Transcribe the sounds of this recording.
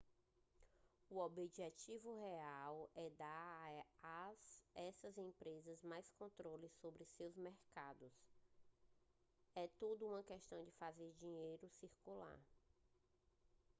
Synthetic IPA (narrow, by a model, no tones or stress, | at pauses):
uobiʒɛt͡ʃivʊɦeawɛd̪aɾazɛsɐzẽpɾezɐzmajskõnt̪ɾolɪsobɾɪsewzmɛɾkad̪ʊs | ɛt̪ud̪ʊũmɐkɛʃt̪ɐ̃w̃d͡ʒɪfazeɾd͡ʒĩɲejɾʊsiɾkula̰ɾ